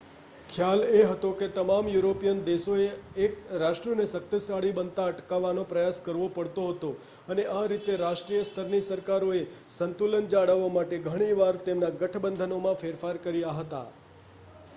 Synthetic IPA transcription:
kʰjaleɦət̪oket̪əmamjuɾopijənd̪eʃoeːkɾaʃʈɾiənesək̚t̪əsaɽibənt̪aəʈkaʋːanopɾəjaskəɾʋopəɽt̪oɦət̪o | əneʔaɾit̪eɾaʃʈɾijəst̪ʰəɾnisəɾkaɾoesənt̪ulənd͡ʒaɽəʋamaʈeɡʱəɽ̃iʋaɾt̪emnaɡəʈʰbənd̪ʱənomãfeɾfaɾkəɾijaɦət̪a̰

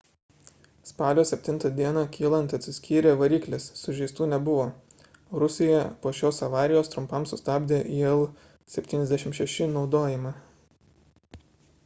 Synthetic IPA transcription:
spɑːlʲoːsʲɛpʲt̪ʲɪnt̪ɐd̪ʲiɛnɑkʲʰiːlˠɐnt̪ɐt̪ʲsʲɪsʲkʲiːɾʲeːʋɐɾʲiːklʲesːʊʒʲɛɪst̪uːnʲɛbʊʋoː | ɾʊsʲɪjɛpoːʃʲoːsɐʋɑːɾʲɪjoːst̪ɾʊmpɐmsʊst̪ɑːbʲd̪ʲeːʔiɛlˠ | sʲɛpʲt̪ʲiːnɛzd̪ʲæɛʃʲɪmʃʲɛʃʲɪnɒʊd̪oːjɪmɑ

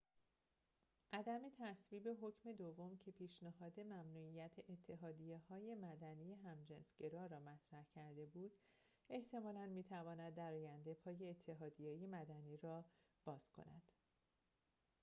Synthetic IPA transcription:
ʔæd̪æmet̪ʰæsviːbe̞ɦo̞cʰme̞d̪ovːo̞mcʰe̞pʰiːʃneɦɒːd̪e̞mæmnuːijæt̪ʰeʔet̪ʰːe̞ɦɒːd̪ijehɒːje̞mæd̪ænije̞ɦæmd͡ʒensɟe̞ɾɒːɾɒːmæt̪ʰɾæhcʰæɾd̪e̞buːd̪̥ | e̞ht̪ʰe̞mɒːlænmiːt̪ʰævɒːnæd̪ːæɾɒːjænd̪e̞pʰɒːje̞ːt̪ʰːe̞ɦɒːd̪ijejemæd̪æniːɾɒːb̥ɒːz̥kʰo̞̰næ̰d̪̥

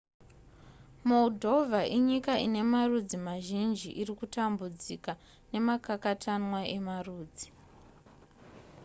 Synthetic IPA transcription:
mo̞ldʱo̞vʱaʔiɲikaine̞marud͡zimaʒind͡ʒḭʔirikutambud͡zika | ne̞makakatʰanwaʔe̞maruːd͡zi

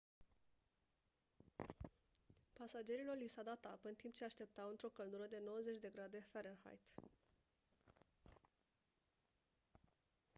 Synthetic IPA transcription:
pasad͡ʒe̞ɾilo̞rlisawd̪at̪apɨnt̪imp̚t͡ʃe̞aʃt̪e̞p̚t̪awɨnt̪ɾo̞kəld̪uɾəd̪e̞no̞wəze̞t͡ʃʲd̪e̞ɡɾad̪e̞feɾənxa̰jt̪

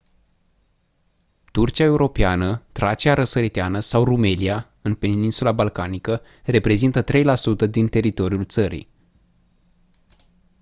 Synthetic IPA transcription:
t̪urt͡ʃiae̞uɾo̞peanət̪ɾat͡ʃiaɾəsəɾit̪eanəsawrume̞lia | ɨnpe̞ninsulabalkanikə | re̞pɾe̞zint̪ət̪ɾe̞jlasut̪əd̪int̪e̞ɾit̪o̞ɾiult̪səɾḭ

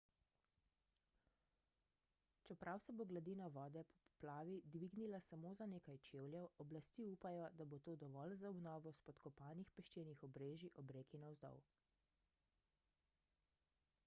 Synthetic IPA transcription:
t͡ʃɛpɾʔawsɛboɡlad̪iːnɔʋɔːd̪ɛpɔ̥pɔ̥plaːʋid̪ʋiɡnilasamoːzaneːkajt͡ʃeːwljɛwɔblast̪iːupajɔd̪abot̪oːd̪ɔʋɔːlzaɔbnɔːʋɔspɔt̪kɔpaːnixpɛʃt͡ʃenixɔbɾeːʒiʔɔbɾeːkinɔwzd̪ɔ̰w

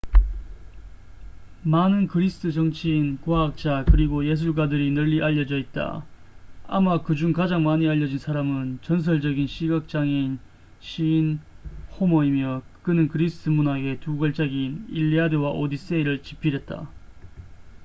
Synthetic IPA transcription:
manɯnkɯɾisʰɯ̥tʰɯt͡ɕʌŋt͡ɕʰiːnkoak̚t͡ɕ͈akɯɾiɡoje̞s̬ʰuɭɡwadɯɾinɯʎːiʔaʎːʌd͡ʑʌit̚t͈a̰ | a̰makɯd͡ʑuŋkad͡ʑaŋmaɲiaʎːʌd͡ʑinsʰaɾamɯnt͡ɕʌns̬ʰʌɭd͡ʑʌɡinɕʰiɡak̚t͡ɕ͈aŋen | ɕʰiːnhomʌimjʌkɯnɯnkɯɾisʰɯ̥tʰɯmunaɡe̞tuɡʌɭt͡ɕ͈aɡiniʎːiadewaʔodis͈eiɾɯɭt͡ɕipʰiɾet̚t͈a̰

